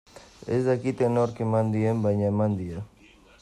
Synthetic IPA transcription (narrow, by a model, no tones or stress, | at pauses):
ḛzd̪akit̪enoɾkemand̪iembajɲaemand̪ie